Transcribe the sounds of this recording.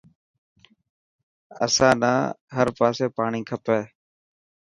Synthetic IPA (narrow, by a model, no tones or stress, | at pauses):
ə̰sãːnaːɦəɾpaːseːpaːɳiːkʰəpeː